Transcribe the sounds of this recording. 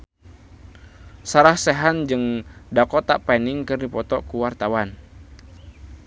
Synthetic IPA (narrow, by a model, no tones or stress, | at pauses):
saɾahsɛɦand͡ʒɨŋdakɔt̪aʔpaniŋkɨrdipɔt̪ɔkuwart̪awan